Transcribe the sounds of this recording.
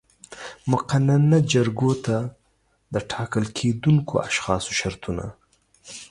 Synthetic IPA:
mʊqananad͡ʒaɾɡot̪a | d̪əʈʰɑkəlkʰed̪uŋkʰo̰aʃxɑso̥ʃaɾt̪una̰

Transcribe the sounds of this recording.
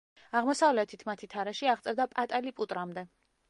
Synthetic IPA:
aʁmɔsavlɛt̪ʰit̪ʰmat̪ʰit̪ʰaɾɛʃiaʁt̪sʼɛɾd̪apʼat̪ʼalipʼut̪ʼɾamd̪ɛ

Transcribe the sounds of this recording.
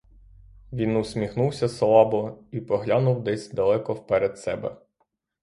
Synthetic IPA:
ʋʲinusʲmʲixnuwsʲɐslˠɑbɔipɔɦlʲanʊwd̪ɛsʲd̪ɐlˠɛkɔwpɛɾed̪sɛbɛ̰

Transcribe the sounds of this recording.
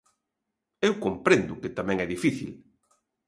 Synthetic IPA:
ewkompɾend̪ʊkɪt̪amɛ̃ŋɛðifiθḭl

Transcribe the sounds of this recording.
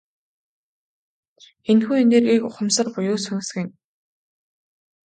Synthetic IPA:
enxuːeneːrɣiːkʊχə̆msə̆rpʊjʊːsʊn̆sxɘ̆n

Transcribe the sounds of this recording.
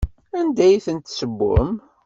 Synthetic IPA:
ænd̪æjθənt̪səbːʊ̰m

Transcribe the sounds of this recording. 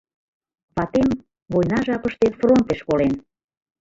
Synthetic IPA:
βɑt̪em | βojnɑʒɑpəʃt̪efront̪eʃkolen

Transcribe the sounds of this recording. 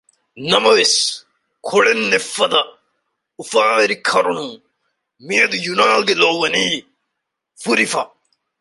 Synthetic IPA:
nɐmɐʋis | kʰoɭenːefɐd̪ɐ | ufaːɾikʰɐɾunũ | miɐd̪ujunaːlɡeloːwɐniː | fuɾifɐ

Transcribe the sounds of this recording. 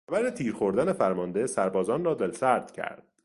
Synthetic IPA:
xæbæɾet̪ʰiːɾxo̞ɾd̪æne̞fæɾmɒːnd̪e̞sæɾbɒːzɒːnrɒːd̪elsæɾd̪̥cʰæ̰ɾd̪̥

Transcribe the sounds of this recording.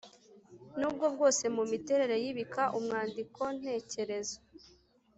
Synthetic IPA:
nuːbɡo̞b̚ɡo̞ːse̞mumite̞ɾe̞ɾe̞jiβikʰaʔumŋaːndikʰo̞n̥e̞ːce̞ɾe̞za

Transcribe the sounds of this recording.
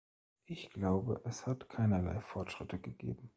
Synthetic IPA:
ʔɪçɡ̥laʊbə̰ʔɛshatkʰaɪnɐla̰ɪfɔɐtʃʁ̥ɪtʰəɡəɡ̥ḛːbm̩

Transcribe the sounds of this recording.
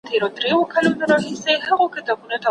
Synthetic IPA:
t̪ʰeɾod̪ɾewokʰalonaɾɑɦisehaɣokɪt̪ɑbunot̪a

